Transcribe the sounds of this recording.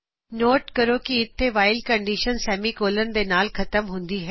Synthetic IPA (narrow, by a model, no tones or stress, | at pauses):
noːʈkɐɾokiɪt̪ʰːeʋaːɪlkɐ̃ɳɖiːʃənsɛːmikoːlənɪ̆d̪eːnaːlxɐt̪əmɦũːn̆d̪iɦɛ